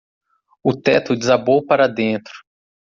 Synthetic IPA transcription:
ʊt̪ɛt̪ʊd͡ʒɪzabowpaɾɐd̪ẽnt̪ɾʊ̥

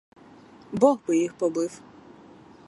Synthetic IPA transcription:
bɔɣbɪjixpɔbɪw

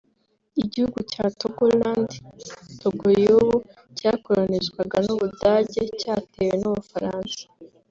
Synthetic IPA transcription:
iɟihuɡucatoɡolanditoɡooβu | cako̞ɾaneʃkwaɡanuβudaːɟe̞caːtʰe̞wenuβufaɾaːnsḁ

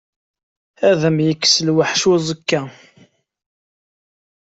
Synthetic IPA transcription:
æðəmjəkːsəlwaħʃuzˤəkːæ

